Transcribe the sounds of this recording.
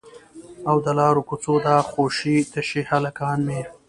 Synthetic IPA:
awd̪əlɑːɾokʊt͡sod̪ɑːxoːʃit̪əʃihalakɑːnmeɾ

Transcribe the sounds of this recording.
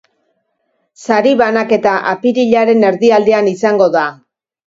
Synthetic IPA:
saɾiβanake̞t̪aʔapiɾiʎaɾe̞ne̞ɾðiald̪eanisaŋɡo̞ða

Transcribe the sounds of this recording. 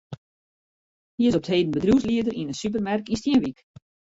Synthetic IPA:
hiəɪsɔp̚theːdən̩bədruwsliədərinənsyp̬ərmɛrkinstjiənʋik

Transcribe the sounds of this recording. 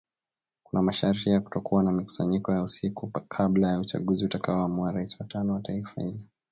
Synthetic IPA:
kunamaʃaɾiijaku̥tɔkuwanamiku̥saɲikɔjausikukʰablajaut͡ʃa̰ɠuziutakaɔamuaɾaisi̥watanɔwataifa̰hilɛ

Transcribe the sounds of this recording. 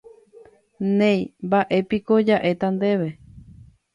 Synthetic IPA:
nẽjmbaʔe̞pikod͡ʒaʔe̞t̪and̪eʋe

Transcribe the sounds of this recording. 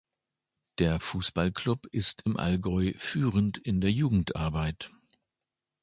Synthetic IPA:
d̥eːɐfuːsb̥alklʊpʔɪstʰɪmʔa̰lɡɔʏfyːʁəntɪndeːɐjuːɡŋ̩tʔa̰ɐbaɪt

